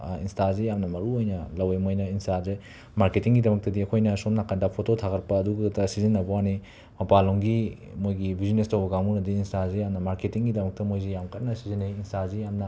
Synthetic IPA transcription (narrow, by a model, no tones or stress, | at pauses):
ḭnstazejamnɐmɐɾuojnɐlɐwemojnɐinstaze | maɾketiŋɡidɐmɐk̚tɐdiɐkʰojnɐsomnakɐndapʰototʰakʰɐɾpɐːduɡɐtɐsizinːɐbɐwani | mɐpaloŋɡi | mojɡibʱizinestɐwbɐɡaŋmunɐdiːnstazejamnɐmaɾketiŋɡidɐmɐk̚tɐmojzijamkʰɐt̚nɐsizinejinstazijamnɐ